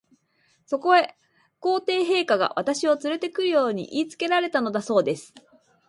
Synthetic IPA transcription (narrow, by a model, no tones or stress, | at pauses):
so̞ko̞e̞ | ko̞ːt̪e̞ːɦe̞ːkaɡa̰βat̪aɕio̞t͡sɨɾe̞t̪e̞kɯ̟ɾɯ̟jo̞ːɲ̟ḭʔiːt͡sɨ̥ke̞ɾaɾe̞t̪ano̞d̪aso̞ːd̪e̞sɨ̥